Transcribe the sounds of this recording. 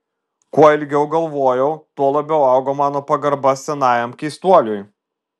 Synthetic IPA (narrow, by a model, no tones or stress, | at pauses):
kuɔɪlʲɡʲɛʊɡɐlˠʋoːjɛʊt̪uɔlˠɐbʲɛʊɑʊɡoːmɑːnoːpɐɡɐɾbɐssʲɛnɑːjɛmkʲɛɪst̪uɔlʲuj